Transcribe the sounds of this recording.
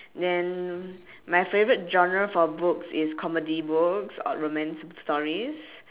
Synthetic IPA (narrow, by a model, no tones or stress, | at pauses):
dɛ̃n | majfevəɹit̚d͡ʒɔ̃nɹəfɔbʊksɪskʰɔmədibuksɔ̰ɹomɛ̃nsstɔɹis